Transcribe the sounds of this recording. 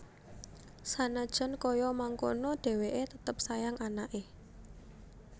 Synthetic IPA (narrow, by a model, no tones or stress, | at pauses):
sanad̥ʒ̥ɔ̤nkojɔmaŋko̰nɔɖ̥e̤weʔet̪ət̪əp̚sajaŋʔanaʔe